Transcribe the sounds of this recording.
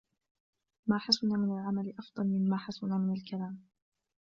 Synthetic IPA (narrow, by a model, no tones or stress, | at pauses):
maːħasʊnaːmɪnalʕamalɪʔɑfd̪ˤɑlmɪmːaːħasʊnaːmɪnalkʰalaːm